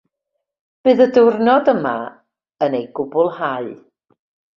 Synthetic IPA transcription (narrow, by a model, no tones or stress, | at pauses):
b̥ɨːðədʊrnɔdəma̰ | ənejɡʊbʊlˠhaɨ